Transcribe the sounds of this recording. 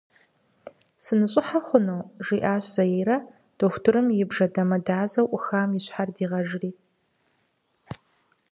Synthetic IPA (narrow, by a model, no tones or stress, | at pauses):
sɨnɨɕʼɪħaχʷʊnoːʒiːʔaːɕz̥ɐjiːɾɐ | d̥oxʷtʰɨɾɨmjɪbʐɐdɐmɐdaːzɐwʔʷʊxaːmɪɕħardiːʁɐʒriː